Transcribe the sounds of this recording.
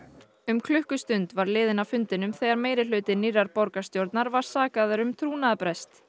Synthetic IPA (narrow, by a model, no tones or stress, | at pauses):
ʏmkʰlʏhkʏst̪ʏnt̪vaɾlɪːðɪnawfʏnt̪ɪnʏmθɛɣaɾmeːjɾɪlʏːt̪ɪnirːaɾpowɾkḁst̪jowɾt̪naɾvaɾ̥saːkaðʏɾʏmt̪ʰɾuːnaðapɾɛst̪